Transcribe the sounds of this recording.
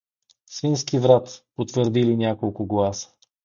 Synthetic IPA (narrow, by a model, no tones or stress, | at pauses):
svinskivɾat̪pot̪vəɾd̪ilinʲjakolˠkʊɡlˠasə̥